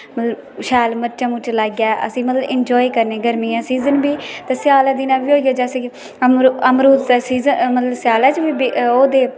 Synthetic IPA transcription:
mət̪ləb | ʃaːlməɾt͡ʃãːmʊt͡ʃːlaːɡjaːʔə̰sĩːmət̪ləbɪnd͡ʒɔːiːkəɾneːɡəɾmiːãːsiːzənbiːt̪eːsjaːlaːd̪ɪnãːʋiːɦoːiɡaːd͡ʒaːsi | əmɾəmɾuːsiːzəmət̪ləbsɪjaːlaːt͡ʃbiːbioːd̪eː

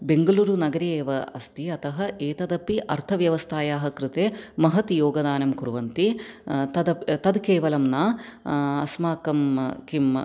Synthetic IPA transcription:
beŋɡɐluːɾunɐɡɐɾijeːʋɐɐst̪iɐt̪ɐɦɐʔeːt̪ɐd̪ɐpiʔɐɾt̪ʰɐʋjɐʋɐst̪ʰaːjaːɦɐkɾɪt̪eːmɐɦɐt̪joːɡɐd̪aːnɐmkuɾʋɐnt̪it̪ɐd̪ɐt̪ɐd̪keːʋɐlɐmnaː | ɐsmaːkɐmkim

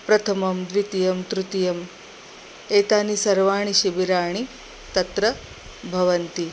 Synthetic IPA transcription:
pɾɐt̪ʰɐmɐmd̪ʋit̪ijɐmt̪ɾut̪ijɐm | eːt̪aːnisɐɾʋaːɳ̃iʃibiɾaːɳ̃i | t̪ɐt̪ɾɐ | bʱɐʋɐnt̪i

